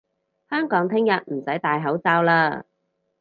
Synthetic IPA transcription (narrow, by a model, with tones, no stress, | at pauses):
hœː˥ŋkɔː˨˥ŋt̪ʰɪ˥ŋjɐ˨t̚m̩˨˩sɐ˨˥jt̪aː˨jɦɐ˨˥wt͡saː˧wlaː˧